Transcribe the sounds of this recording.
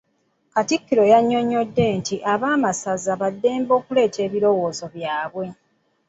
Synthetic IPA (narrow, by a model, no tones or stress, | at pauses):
katikːiɾo̞jaɲːo̞ɲːo̞dːe̞ntiʔaβaːmasazaβadːe̞ːmbo̞ːkule̞ːtʰe̞ːβiɾo̞wo̞ːzo̞βjaːβwe̞